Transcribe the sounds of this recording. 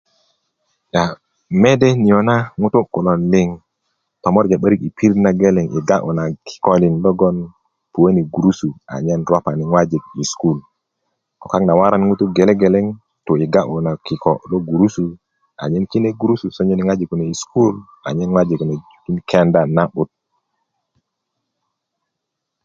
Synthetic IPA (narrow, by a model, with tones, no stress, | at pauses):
ja˨ | me˦de˦ni˨jo˨na˦ŋu˦tu˦ku˨lo˨nli˦ŋ | to˨mo˦ɾd͡ʒa˨ɓə˦ɾi˦ki˨pʰi˦ɾna˦ɡe˦le˨ŋʔḭ˨ɡa˦ʔu˨na˨kʰi̥˦ko˦li˨nlo˦ɡo˦n | pu˨we˦ni˨ɡu˨ɾu˦su˨a̰˨ɲe˦nɾo˦pa˨ni˨ŋwa˦d͡ʒi˨ɡ̚i˨sku˦l | ko˨ka˦kna˨wa˦ɾa˦nŋu˦tu˦ɡe˨le˦ɡe˨le˦ŋ | to˨i˨ɡa˦ʔu˨na˨ki˨ko˨lo˦ɡu˨ɾu˦su˨ | a̰˨ɲe˦nki˦ne˦ɡu˨ɾu˦su˨so˦ɲe˦ni˨ŋwa˦d͡ʒi˨ku˨ne˨i˨sku˦l | a̰˨ɲe˦nŋwa˦d͡ʒi˨kna˨ | i˦nkʰe˦nda˨na˦ɓu˨t̚